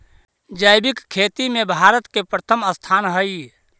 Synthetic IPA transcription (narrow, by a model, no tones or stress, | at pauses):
d͡ʒajbikkʰːet̪imebʱaɾət̪kepɾət̪ʰəməst̪ʰanɦəj